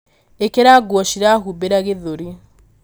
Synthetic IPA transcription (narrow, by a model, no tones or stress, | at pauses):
ekeɾaɡwɔʃiɾaɦubeɾaɣeðoɾi